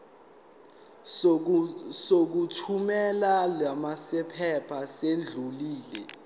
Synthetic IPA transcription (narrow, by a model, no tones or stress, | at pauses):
sok̬utʰumɛlalwamasɛpʰɛpʰasend͡ɮʱuliːlɛ